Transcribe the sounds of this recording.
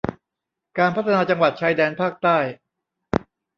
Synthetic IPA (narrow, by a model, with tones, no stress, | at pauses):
kaː˧npʰa˦˥t̪ʰːa˧naː˧t͡ɕa˧ŋwa˨˩t̪̚t͡ɕʰaː˧˥jdɛː˧npʰaː˥˩k̚t̪aː˥˩j